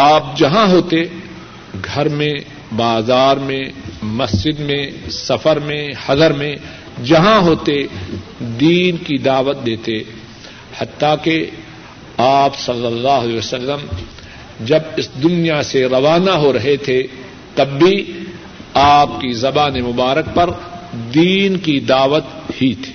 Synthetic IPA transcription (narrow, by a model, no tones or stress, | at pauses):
aːp̚d͡ʒɐɦãɦoːt̪e | ɡʱɐɾmẽ | baːzaːɾmẽmɐsd͡ʒɪd̪mẽsɐfəɾmẽhɐd̪əɾmẽ | d͡ʒɐɦãɦoːt̪e | d̪iːnkid̪aːʋət̪̚d̪eːt̪e | hɐt̪ːake | aːpsɐlːəlːaːɦleːʋəsəlːəm | d͡ʒɐbɪsd̪ʊnijaseɾɐʋaːnaɦoɾɐɦet̪ʰe | t̪ɐbːi | aːp̚kizɐbaːnemʊbaːɾək̚pɐɾd̪iːnkid̪aːʋət̪hit̪ʰi̥ː